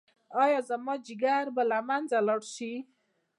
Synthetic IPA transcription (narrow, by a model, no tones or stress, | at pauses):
ɑjɑzamad͡ʒiɡaɾbəlamand͡zaləɽʃi